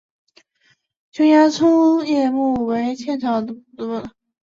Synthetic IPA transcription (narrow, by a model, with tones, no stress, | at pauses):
t͡ɕʰʊ˥ŋja˥ʈ͡ʂʰu˥ŋjɛ˥˧mu˥˩we˧˥ɪt͡ɕʰjɛ˥˩nʈ͡ʂʰɑ˧˥d̪ə˧˩u˥˩t̪u˧˥˩n